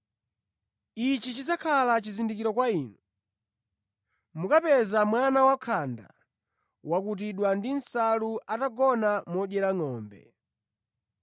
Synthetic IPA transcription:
it͡ʃit͡ʃid͡zakʰalat͡ʃizindikiɾɔkwaiːnu | mukapɛzamwanawakʰanda̰ | wakut̬iɗwandin̩saluʔataɡɔnamɔɗjɛɾaŋɔːmbɛ̰

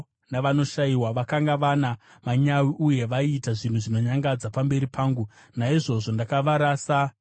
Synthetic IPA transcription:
naʋano̞ʃajiwaʋakaŋɡaʋanamaɲawiʔuje̞ʋaitaʐin̤uʐino̞ɲaŋɡad͡zapambe̞ɾipʰaːŋɡu | naiʐo̞ʐo̞ndakaʋaɾaːsa

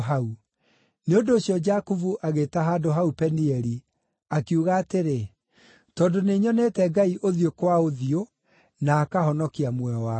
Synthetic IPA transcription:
ɦau | neondoːɕjɔd͡ʒakuvuʔaɣetaɦaːdoɦaupɛniɛɾi | akiuɣaːteɾe | tɔndoneɲɔnɛtɛɡaiʔoðiokwaoðio | naːkaɦɔnɔkiamwɛɔa

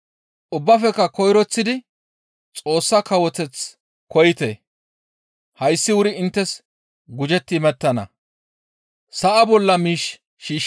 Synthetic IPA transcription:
ʔʊbːɐfɛkːɐkɔjɾɔt͡sːɪd̪ɪ | t͡sʼo̞ːsːɐkɐwɔt̪ɛt͡s | kɔjɪt̪e | hɐjsːɪwʊɾɪɪnt̪ːɛs | ɡʊd͡ʒɛt̪ːɪmɛt̪ːɐnɐ̰ | sɐʔɐbɔlːɐmiːʃ | ʃiːʃ

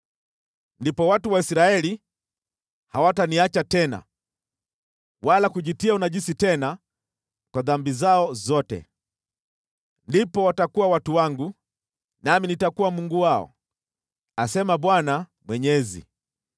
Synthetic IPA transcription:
ndipɔwatuwaisɾaɛli | hawataniat͡ʃatɛna̰ | walakuʄitiaunaʄisitɛna | kwaðambizaɔzɔtɛ̰ | ndipɔwatakuwawatuwaŋɡu | naminitakuwamuŋɡuwaɔ̰ | asɛmaɓwanamwɛɲɛzḭ

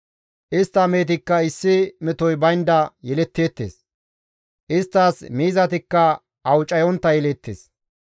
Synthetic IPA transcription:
ʔɪst̪ːɐme̞ːt̪̬ɪkːɐɪsːɪmɛt̪ɔjbɐjnd̪ɐjɛlɛt̪ːeːt̪ːḛːs | ʔɪst̪ːaːsmiːzɐt̪ɪkːɐ | ɐwt͡ʃʼɐjɔnt̪ːɐjɛleːt̪ːeːs

